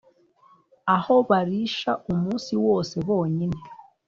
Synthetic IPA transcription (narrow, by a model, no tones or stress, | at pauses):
aho̞βaɾiʃaumuːsiwo̞ːse̞βo̞ːɲine̞